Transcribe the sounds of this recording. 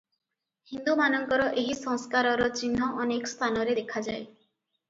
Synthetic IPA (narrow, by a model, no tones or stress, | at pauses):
hind̪umanɔŋkɔɾɔʔeɦisɔŋskaɾɔɾɔt͡ʃinɦɔʔɔnekɔst̪ʰanɔɾed̪ekʰad͡ʒaj